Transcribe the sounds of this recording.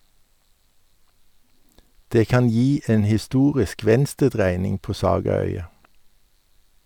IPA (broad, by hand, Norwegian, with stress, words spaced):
ˈdeː ˈkɑn ˈjiː ˈeːn hɪˈstuːʁɪsk ˈʋɛnstəˌdʁæɪnɪŋ ˈpoː ˈsɑːɡɑˌœʏɑ